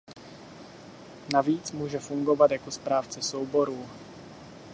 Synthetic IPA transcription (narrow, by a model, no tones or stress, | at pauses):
naviːt͡smuːʒɛfuŋɡo̞vat̪jakospɾaːft͡sɛsowbo̞ɾuː